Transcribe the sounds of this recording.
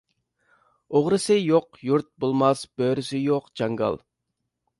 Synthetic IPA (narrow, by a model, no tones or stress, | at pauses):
oʁɾɨsɨjoqjuɾt̪̚bolˠmɑsb̥øːɾysɪjoqd͡ʒɑŋɡɑ̰lˠ